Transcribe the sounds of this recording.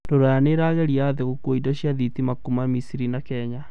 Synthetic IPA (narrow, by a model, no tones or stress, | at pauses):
doɾajaneɾaɣɛɾiaðeɣokwoidɔɕjaðitimakumamisiɾinakɛɲa